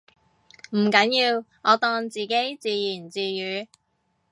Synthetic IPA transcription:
m̩˨˩kɐ˨˥njiː˧wŋɔː˨˧t̪ɔː˧ŋt͡siː˨ke˨˥jt͡siː˧jiː˨˩nt͡siː˨jyː˨˧

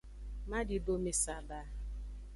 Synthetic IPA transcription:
ma˦dɪ˨bo˦me˨sa˨ba˦

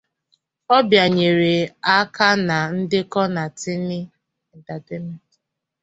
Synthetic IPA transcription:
ɔ˦bja˨ɲe˨ɾe˨a˦ka˦na˨n̩˦dɪ˦kɔ˦na˨tɪ˦nɪ˦ | i˨ta˨te˦me˨t

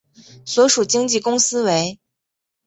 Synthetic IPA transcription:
swɔ˧˥ʂu˨˩t͡ɕi˥ŋt͡ɕi˥˩kʊ˥ŋsɹ̩˥we˧˥ɪ

